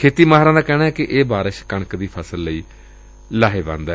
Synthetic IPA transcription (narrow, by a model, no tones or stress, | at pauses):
kʰeːt̪iːmaːɦɾãːd̪aːkɛːɽ̃aːɦɛːkɪʔeːbaːɾəʃkəɳkd̪iːpʰəsəlːəiː | laːɦeːbã̰ːnd̪ɛː